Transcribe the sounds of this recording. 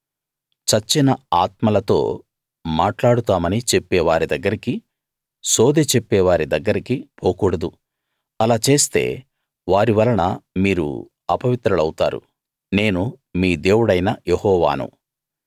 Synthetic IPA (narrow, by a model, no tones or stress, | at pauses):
t͡ʃɐt͡ʃːinɐaːt̪mɐlɐt̪o̞̰ː | maːʈlaːɽut̪aːmɐnit͡ʃe̞pːɛːʋaːɾid̪ɐɡːɐɾiki | soːd̪eːt͡ʃe̞pːɛːʋaːɾid̪ɐɡːɐɾikipʰoːkuːɽɐd̪u | ɐlaːt͡ʃe̞ːst̪e̞̰ː | ʋaːɾiʋɐlːɐnɐ̰miːɾṵ | ɐpɐʋit̪ɾɐlɐwut̪aːɾṵ | ne̞ːnu | miːd̪e̞ːwuɽɐjnɐjehɔːʋa̰ːnṵ